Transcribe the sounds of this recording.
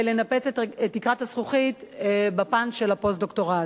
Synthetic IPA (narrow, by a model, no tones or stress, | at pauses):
lenape̞t͡setetːikʁathasχuχitbapanʃelapo̞sd̪o̞kto̞ʁa